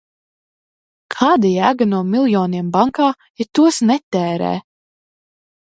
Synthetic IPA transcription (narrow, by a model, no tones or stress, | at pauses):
kʰaːd̪ɨjæːɡanuɔmilˠjɔːniɛmbaŋkaː | jɛt̪ːuɔsnɛt̪ːɛːɾɛ̰ː